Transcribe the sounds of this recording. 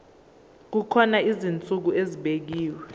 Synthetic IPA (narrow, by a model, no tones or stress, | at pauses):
k̬ukʰɔnaizint͡sʼuk̬ueziɓek̬iːwɛ